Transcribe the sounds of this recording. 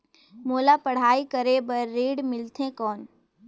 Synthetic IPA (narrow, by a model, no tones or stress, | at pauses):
moːlapɐɽ̤aːikəɾebɐːeːɖmɪlt̪ʰẽkɔːn